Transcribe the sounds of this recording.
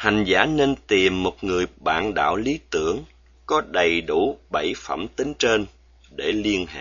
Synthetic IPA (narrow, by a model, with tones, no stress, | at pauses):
ha˨˩jŋ̟zaː˧˥ne˧nt̪i˨˩mːo˨˩t̚ŋɨ˨˩əjɓa̰ː˧˨nɗa̰ː˧˨wli˨˦t̪ɨ˧˩əŋ | kɔ˨˦ɗə˨˩jɗu˧˩ɓə˧˩jfə̰˧˩mt̪ï˨˦ŋ̟t͡ɕe˧n | ɗe˧˩li˧ənɦa̰ː˧˨